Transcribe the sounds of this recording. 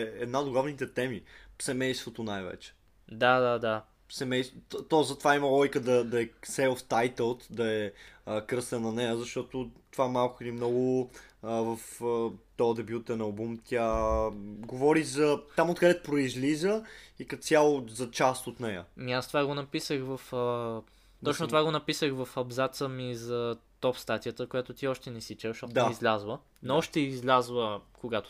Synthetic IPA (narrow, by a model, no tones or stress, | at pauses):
ɛd̪naod̪ɡlˠavnit̪ɛt̪ɛmisɛmɛjst̪vot̪onajvɛ̰t͡ʃɛ̥ | d̪ad̪ad̪a | sɛmɛjst̪t̪ɔzɐt̪ovaimɐlˠɔjkəd̪ɐd̪ɐɛsɛft̪ajt̪əlˠt̪d̪ɐɛəkɾɤst̪ɛnːɐnɛjəzɐʃt̪ɔt̪ot̪ovamalˠkʊd̪imnɔɡʊ | vɐfət̪ɔd̪ɛbjut̪ɛnɐlˠbumt̪ʲja | ɡovɔɾizɐt̪amot̪̚kɐɾɛt̪̚pɾoizlizəikɐt̪sʲjalˠʊzɐt͡ʃast̪ot̪nɛjə̰miast̪ovaɡonɐpisəxvɐfə | t̪ɔt͡ʃnot̪ovaɡonɐpisəxvɐfɐbzat̪səmizɐt̪ɔpst̪at̪ijət̪əkojat̪ot̪iɔʃt̪ɛnɛsit͡ʃɛvəʃɔt̪d̪aizlʲazlˠə | nɔʃt̪ɛizlʲazlˠəkoɡat̪o̥